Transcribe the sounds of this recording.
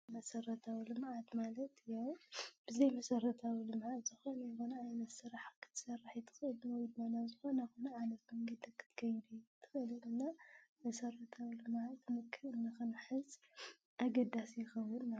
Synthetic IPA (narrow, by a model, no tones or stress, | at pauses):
mɐsɐɾɐt̪ʰawilɨmʕat̪malɐt̪jawb̥ɨzɐjmɐsɐɾɐt̪ʰawilɨmʕat̪z̥ɨxo̞nɐjxonɐajnɐt̪sɨɾaħkʰɨ̥t̪ʰɨ̥sɐrːaħjit̪ʰɨ̥xɨɨlnwɔjd̪manazɨxo̞nɐxonɐʕanɐt̪mɐŋɡɐd̪ɐkʰːɨ̥t̪ʰɨ̥kʰɐjd̪ujt̪ʰɨ̥xɨɨlɨlɨnːamɐsɐrɐt̪ʰawilɨmʕat̪mɨkʰːɨlɨnːɨxɨnħɨz | ʔaɡɐd̪asjɪxɐwːɨnːa